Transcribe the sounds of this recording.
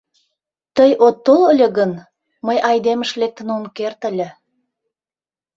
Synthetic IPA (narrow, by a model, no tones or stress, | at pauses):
t̪əjʔot̪ːolə̆lʲĕɣən | məjɑjd̪emə̆ʃlek̚t̪ə̆nunkert̪ə̆lʲĕ